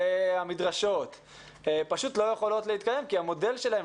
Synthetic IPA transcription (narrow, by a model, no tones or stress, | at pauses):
amidʁaʃo̞t̪ | paʃut̪lo̞jeχo̞lo̞t̪leit̪kaje̞mkiamo̞de̞lʃelae̞